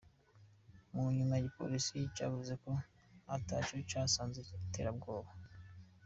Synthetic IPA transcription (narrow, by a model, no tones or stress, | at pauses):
muɲumaɟipo̞̰lisica̰ːvuze̞ko̞ | ataːcocaːsaːnzete̞ːɾab̚ɡo̞ːβa